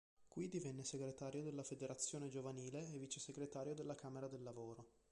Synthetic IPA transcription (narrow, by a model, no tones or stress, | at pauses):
kwid̪ivɛnːeseɡɾet̪aːɾjod̪elːafed̪eɾat̪sːjoːned͡ʒovaniːleːviːt͡ʃeseɡɾet̪aːɾjod̪elːakaːmeɾad̪elːavoːɾo